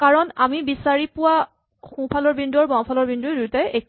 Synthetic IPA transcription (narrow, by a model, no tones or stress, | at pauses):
kaɹɔnamibisaɹipʊwa | xũpʰalɔɹbindɔɹbãpʰalɔɹbinduɹduɹtɛek